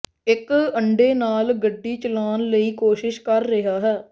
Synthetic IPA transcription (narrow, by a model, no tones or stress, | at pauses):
ɪkəɳɖeːnaːlɡəɖːiːt͡ʃəlaːnləiːkoːʃɪʃkəɾːɪɦaːɦɛː